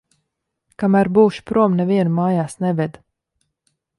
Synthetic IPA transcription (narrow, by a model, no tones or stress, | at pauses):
kamæɾbuːʃu̥pɾuɔmnɛviɛnmaːjaːsnɛvɛd̪